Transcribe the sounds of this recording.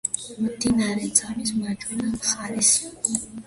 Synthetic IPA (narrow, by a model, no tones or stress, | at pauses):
md̪inaɾɛt̪sʼamismat͡ʃʼwinamχaɾɛs